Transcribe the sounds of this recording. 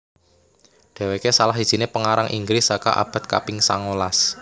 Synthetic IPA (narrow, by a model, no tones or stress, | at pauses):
ɖ̪̥ɛ̤wekesalaɦi̥ʒ̥i̤nepəŋaɾaŋʔḭŋɡɾɪsaka̰ʔa̰b̥a̤t̪̚ka̰pɪŋsa̰ŋolas